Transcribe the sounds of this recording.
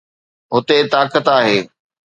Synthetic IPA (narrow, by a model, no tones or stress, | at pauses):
ɦʊt̪et̪aːkət̪aːɦeː